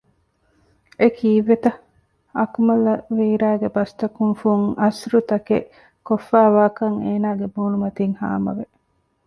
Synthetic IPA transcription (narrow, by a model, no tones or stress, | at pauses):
ekʰiːʋet̪ɐ | ɐkmɐlɐʋiːɾæːɡebɐst̪ɐkuŋfuŋɐsɾut̪ɐkḛ | kofːæːʋaːkɐŋeːnaːɡebuːnumɐt̪iŋha̰ːmɐ̰ʋe